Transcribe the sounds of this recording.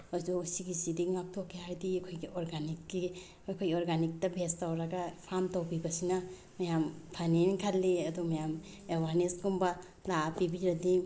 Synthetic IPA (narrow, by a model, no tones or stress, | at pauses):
ɔjzuusiɡisidiŋap̚tʰɔkːeaɾdikʰɔjɡiʔɔɾɡanikːi | kʰɔjɔɾɡanik̚tabʱestawɾaɡapʰamtawbibasina | majampʰanenikʰalːiadɔmajam | ewaɾnesɡumba | lapibiɾadi